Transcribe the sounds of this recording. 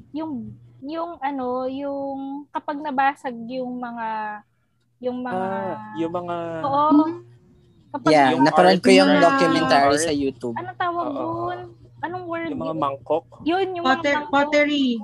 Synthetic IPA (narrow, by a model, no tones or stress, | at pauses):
jʊŋjʊŋʔɐno̞jʊŋkɐpɐɡ̚nɐbaːsɐɡ̚jʊŋmɐŋa | jʊŋmɐŋajʊɐŋaoʔo | kɐpjaanɐpɐɾɐd̪̚kojʊŋd̪okjʊmɛnt̪aːɾisɐjuːt̪ubɐnɐt̪aːwɐɡ̚non | ʔɐnoŋwɛɹɐŋkok̚jonjʊŋpŋɛpot̪ɛɹi